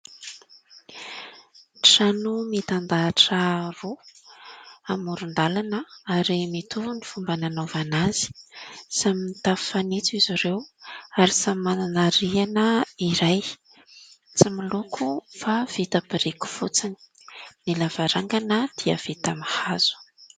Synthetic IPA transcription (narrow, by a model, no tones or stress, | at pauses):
ʈ͡ʂanumit̪and̪aːʈ͡ʂəru | amuɾund̪alanəaɾimit̪uvunifumbananovanaz̥i̥saminit̪ḁfanit͡siziɾewaɾisammananaɾianəiɾaj | t͡similukʰufav̥it̪apiɾiku̥fut͡sini̥ | nilavaɾaŋɡanəd̪̥iə̰v̥it̪amahaz̥u̥